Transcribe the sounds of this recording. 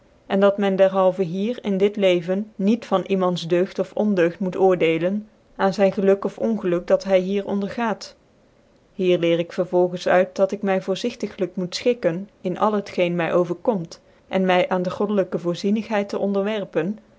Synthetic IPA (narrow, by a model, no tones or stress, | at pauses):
ʔɛndɑtmɛndɛɹɦɑlˠvəɦiːɹɪndɪtlejvənːitfɑnʔimɑntzdøɥχtɔfɔndøɥχtmutʊːɹdejlən | aːnzɛjnχəlɵkɔfɔnχəlɵk̚dɑtɦɛjɦiːɹɔ̰ndəɹχaːt | ɦiːɹlɪːɹɪkfəɹvɔlˠχənsœ̰ɥt̚dɑtɪkmɛjvʊːɹzɪχtəχələkmutsχɪkənɪnʔɑ̰lˠɦətχejnmɛjʔowvəɹkɔmt | ʔɛnmɛjʔaːndəχɔdələkəvʊːɹzinəχɦɛjtəʔɔndəɹʋɛɹpən